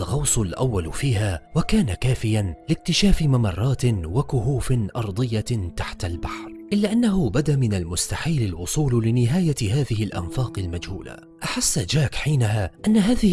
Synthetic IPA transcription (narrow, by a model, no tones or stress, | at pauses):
ɣɑwsˤʊlʔawːalfiːhaːwakaːnakaːfɪjanlɪk̚t̪ɪʃaːfɪmamɑrˤːɑːt̪wakʊhuːfɪnʔɑɾˤd̪ˤɨjːat̪aħt̪albaħɾʔɪlːaːʔanːaɦʊbad̪amɪnalmʊst̪aħiːlalwʊsˤuːllɪnɪɦaːjahaːðɪhɪlʔa̰nfaːqɪlmad͡ʒhuːla̰ | ʔaħasːad͡ʒaːkħiːnaɦaːʔanːaɦaːðɪ